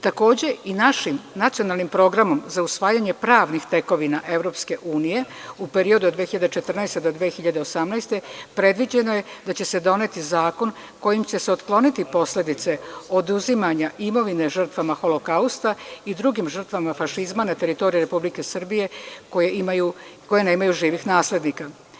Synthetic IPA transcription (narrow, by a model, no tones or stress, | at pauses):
t̪ako̞ːd͡ʑe̞inaʃimnat̪sio̞naːlˠnimpɾo̞ɡɾamo̞mzausʋaːjaɲe̞pɾaːʋnixt̪e̞ko̞ʋinaʔe̞ʋɾo̞ːpske̞ʔuːnije̞upe̞ɾio̞d̪ud̪ʋexiʎad̪et͡ʃet̪r̩najst̪ed̪o̞d̪ʋexiʎad̪eo̞samnɛjst̪e̞pɾe̞d̪ʋid͡ʑe̞noje̞d̪at͡ɕe̞se̞d̪o̞ne̞t̪izaːko̞n | ko̞jimt͡ɕe̞seo̞t̪klˠo̞nit̪ipo̞sle̞d̪it̪se̞o̞d̪uzimaɲaʔimo̞ʋine̞ʒər̩t̪ʋamaxo̞lo̞kaust̪aid̪ɾuɡimʒər̩t̪ʋamafaʃizmanat̪e̞ɾit̪o̞ɾijeɾe̞publike̞sr̩bije̞ko̞jeʔimajuko̞jene̞ːmajuʒiːʋixnaːsle̞d̪nika